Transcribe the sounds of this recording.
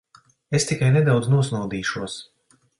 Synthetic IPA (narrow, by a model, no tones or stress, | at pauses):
est̪ikajnɛd̪awd̪znuɔsnuwd̪iːʃuɔs